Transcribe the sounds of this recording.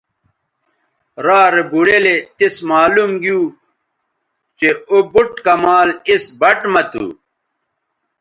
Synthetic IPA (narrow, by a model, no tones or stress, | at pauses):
ɾaːɾebuɽelet̪ismaːlumɡju | t͡ɕeobuʈkɐmaːlisbɐʈmɐt̪ṵ